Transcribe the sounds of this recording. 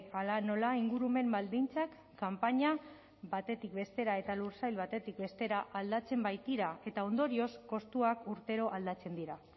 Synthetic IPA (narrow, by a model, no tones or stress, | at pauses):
alano̞laiŋɡuɾume̞mbald̪int͡sakːampaɲa | βat̪e̞t̪ikbe̞st̪e̞ɾae̞t̪aluɾsajlβat̪e̞t̪ikbe̞st̪e̞ɾaʔald̪at͡se̞mbajt̪iɾae̞t̪ao̞nd̪o̞ɾio̞sko̞st̪uakuɾt̪e̞ɾo̞ʔald̪at͡se̞nd̪iɾa